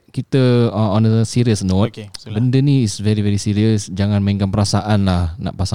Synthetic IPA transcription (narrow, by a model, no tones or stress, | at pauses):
kit̪əɔnəəsiɾiəsnot̚bəndənĩːsvɛɾivɛɾisiɾiəsd͡ʒaŋãnmə̃ĩŋkanpəɾasaʔanlahna̰ʔpasa